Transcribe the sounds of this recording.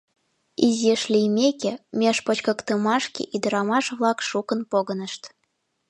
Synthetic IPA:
izʲeʃlʲijmʲekemʲeʃpot͡ɕkə̆kt̪əmɑʃkḛʔid̪əɾɑmɑʃβlɑkʃukənpoɣənəʃt̪

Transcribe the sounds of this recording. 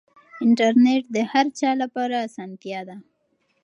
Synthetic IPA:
ɪɳʈaɾneʈd̪əhaɾt͡ʃɑlapɑɾaːsɑnt̪jɑd̪a

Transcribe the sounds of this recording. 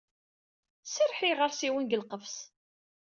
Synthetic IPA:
səɾˤħiʁəɾˤsiwənɡəlqəfs

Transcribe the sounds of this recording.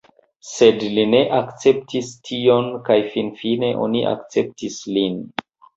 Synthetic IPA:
se̞dline̞ʔakt͡se̞p̚tistʰio̞nkajfinfine̞ʔo̞̰niʔa̰kt͡se̞p̚tislin

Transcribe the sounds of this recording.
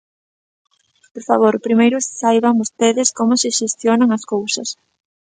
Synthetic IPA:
poɾfaβ̞oɾpɾimejɾʊssajβɐŋbost̪eðɪskomʊsɪʃest̪jonaŋɐskowsɐs

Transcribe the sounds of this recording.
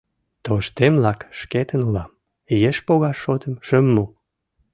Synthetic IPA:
t̪oʃt̪emlɑkʃket̪ənulɑm | jeʃpoɣɑʃːot̪əmʃəmːu

